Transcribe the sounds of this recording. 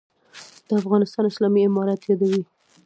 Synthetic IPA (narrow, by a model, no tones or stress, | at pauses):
d̪̥əafɣɑnɪst̪ɑnɪslɑmiɪmɑɾat̪jɑd̪awi